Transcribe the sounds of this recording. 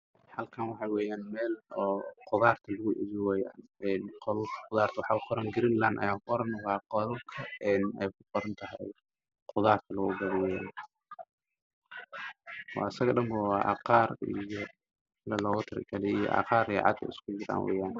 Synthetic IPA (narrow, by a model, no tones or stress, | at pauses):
hɐlkʰaːnwɑħɑwɛːjaːnmɛːlɔːqʊðaːrt̪ʰɐlɐɣʊʔɪ̰jwɛːja̰ːnɛnqɔlqʊðaːrt̪ʰwɑħɑːqʰɔɾɐŋɡɪɾɪnlanʔɐ̰jaːkɔɾɐnwɑːqɔlɐlkʰɐɛːnɛjkʰʊqɔɾɐnt̪ʰɐɦɛj | qʊðaːrk̪ʰɐlɐɣʊ̰ɡɐðɪwɛːjan | ɑ̰ːɐsɐɣɔːɗɐmbɐwɑːʔɑ̰qɑːrḭjɔ | lɐlɔːɣʊt̪ʰɪɾ̰ɡɐlɛijɔ̰ʔɑ̰qɑːɾɛʕɑ̰d̪kʰɐ̰ɪ̰skʰʊd͡ʒɪɾa̰ːnwʔɛ̰ːjaːn